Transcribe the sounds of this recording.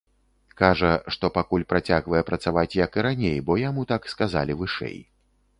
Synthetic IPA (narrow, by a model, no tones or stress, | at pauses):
kaʐɐʂt̪ɔpakulʲpɾat͡sʲaɣvɐjɛpɾɐt̪savat͡sʲjɐkɨɾanʲejbɔjamut̪akskaza̰lʲivɨʂɛ̰j